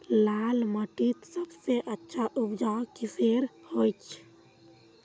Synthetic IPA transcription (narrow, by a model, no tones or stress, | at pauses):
lalməʈit̪səbseʔətːʃʰaʔupd͡ʒakiseɾhojt͡ʃʰ